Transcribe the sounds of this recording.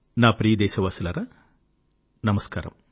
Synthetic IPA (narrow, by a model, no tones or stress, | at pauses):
naːpɾiːd̪ɛːʃɐʋaːsɐlɐɾɐ | nɐmɐska̰ːɾɐ̰m